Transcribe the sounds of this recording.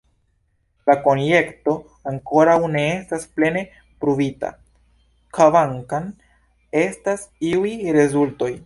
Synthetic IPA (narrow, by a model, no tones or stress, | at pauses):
lako̞nje̞kto̞ | aŋko̞ɾawne̞estasple̞ne̞ | pɾuvita̰ | kavaŋkan | e̞stasiujɾe̞zulto̞j